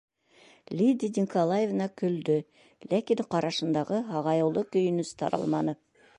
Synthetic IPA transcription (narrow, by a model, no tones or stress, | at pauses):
lʲid̪ʲid̪ʲiŋkolˠajevnɑkɵ̆ld̪ɵ | lækiŋqɑɾɑʃɤ̆nd̪ɑʁɤɦɑʁɑjɤ̆wlˠɤkɵ̆jɵ̆nɵst̪ɑ̰ɾʔɑ̰lˠmɑnɤ